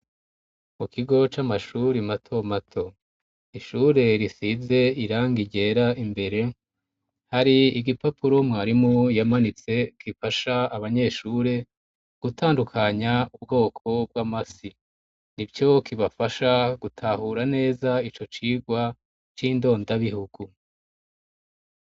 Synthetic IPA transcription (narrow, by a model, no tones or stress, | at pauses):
mukiɡo̞t͡ʃamaʃuɾimatʰo̞matʰo̞ | iʃuːɾe̞ɾisize̞iɾaːŋɡiɟe̞ɾaimbe̞ɾe̞ | haɾiiɡipapʰuɾo̞mŋaːɾimŋojamanit͡se̞kʰifaʃaːβaɲe̞ːʃuːɾe̞ | ɡ̥utʰaːndukʰaɲaubɡo̞ːkʰo̞b̚ɡwamasi | nibɟo̞kiβafaʃaɡutʰahuɾane̞ːzait͡ʃo̞t͡ʃiːɡwa | t͡ʃiːndo̞ːndaβihuɡu